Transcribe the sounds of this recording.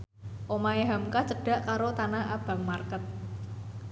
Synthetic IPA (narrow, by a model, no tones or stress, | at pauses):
ʔomaeɦamkat͡ʃəɖ̥ä̤ʔkaɾot̪anaʔab̥a̤ŋmarkət̪̚